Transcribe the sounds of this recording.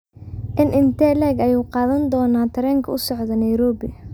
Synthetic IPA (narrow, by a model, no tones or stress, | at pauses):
ʔɪnʔɪnt̪ʰɛːlɛːɡɐjuːqɑːðɐnd̪ɔːnaːt̪ʰɐɾɛːŋkʰɐʊsɔʕd̪ɐnɐjɾɔːbɪ